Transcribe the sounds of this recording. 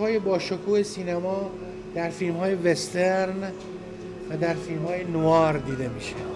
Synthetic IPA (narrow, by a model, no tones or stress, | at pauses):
hɒːjebɒːʃokʰuːhesiːnæmɒː | d̪̥æɾfiːlmhɒːje̞vest̪eɾn | væd̪æɾfilmhɒːjenoɒːɾd̪iːd̪e̞miːʃæ̥